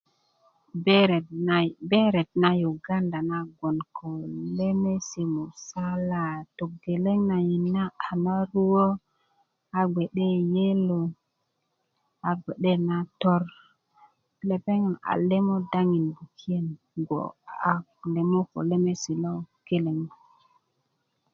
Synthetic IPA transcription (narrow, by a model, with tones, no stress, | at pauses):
bbe˦ɾe˨t̚na˦ju˨ɡa˦nda˨na˦ɡo˨nkʰo˨le˦me˦si˨mu˨sa˦la˨to˨ɡe˨le˦ŋna˨ji˨nːa˦a˨na˦ɾu˦wo˦ | a˨ɡ͡be˨ɗe˦je˦lo˨ | a˨ɡe˨ɗe˦na˦to˦ɾ | le˨pe˦ŋ˨na̰˨le˦mo˦da˦ŋi˨nbu˨kʰi˦e˦n | ɡo̰˨a˨le˨mo˦ko̰˨le˦me˦si˨lo˦ke˦le˨ŋmo˨